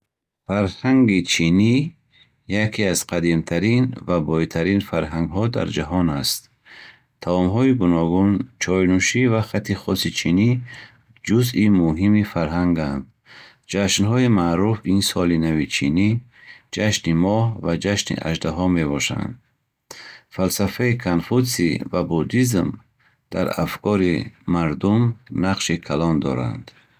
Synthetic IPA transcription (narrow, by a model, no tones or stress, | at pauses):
faɾhaŋɡit͡ʃʰini | jakʰiaz̥qʰad̪imt̪ʰaɾinvabɔit̪ʰaɾinfaɾɦaŋɡɦɔd̪a̰ɾd͡ʒaɦɔnast̪ | t̪ʰːavɔmɦɔiɡunɔɡunt͡ʃʰɔjnuʃivaχat̪ʰiχɔsit͡ʃʰini | d͡ʒuzimuɦimifaɾɦaŋɡand̪ | d͡ʒaʃnɦɔimaɾufinsɔlinavit͡ʃʰinid͡ʒaʃnimɔhvad͡ʒaʃnḭʔa̰ʒd̪aɦɔme̞βɔʃa̰nd̪ | falsafaikʰanfusḭvabud̪izm | d̪̥a̰ɾa̰fkʰɔɾimaɾd̪umnaqʃikʰalɔnd̪ɔ̰ɾa̰nd̪̥